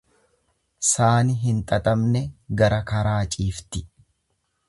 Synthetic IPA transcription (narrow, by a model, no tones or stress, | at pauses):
saːnɪɦɪnt̪ʼɐt̪ʼɐmnɛɡɐɾɐkɐɾaːt͡ʃʼiːft̪ɪ̥